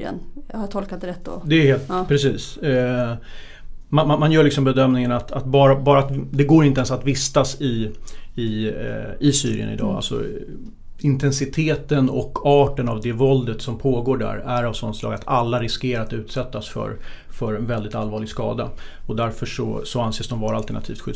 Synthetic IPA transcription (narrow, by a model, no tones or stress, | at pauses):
ə̰nhat̪ʰɔlkat̪ɾɛt̪ːd̪ɔd̪ɛɛheːlt̪pʰɾɛsiːs | manmanmanjœːɭɪksɔmbɛd̪œmnɪŋənat̪at̪bɑːɾabɑːɾat̪d̪ɛɡoːɾɪnt̪əɛnsat̪vɪst̪asɪɪ | ɪsy̰ːɾɪ̰ə̰nɪ̰d̪ɑ̰ːa̰lsɔ̰ | ɪnt̪ʰɛnsɪt̪ʰeːt̪ənɔ̰kːɑːʈənavd̪ɛvɔld̪ət̪sɔmpʰoːɡoːɖæ̰ɾæɾavsɔnslɑːɡat̪ʰalːaɾɪskeːɾat̪ʉ̟ːt̪sɛt̪ːasfœ̰ɾ | fœɾɛnvɛld̪ɪt̪alvɑːɭɪɡskɑ̰ːd̪a̰ɔd̪æɾfœʂɔ̰sɔanseːsd̪ɔmvɑːɾalt̪əɳat̪ʰiːft̪ɧʏ